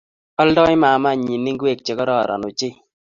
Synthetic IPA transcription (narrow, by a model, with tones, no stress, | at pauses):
ɔ˦ldɔ˦ɪ˦ma˨ma˦˨ɲi˨nːi˦ŋɡwe˦˨k̚t͡ʃe˨kɔ˦ɾɔ̰˦˨ɾɔ̰˨no˨t͡ʃɪ˦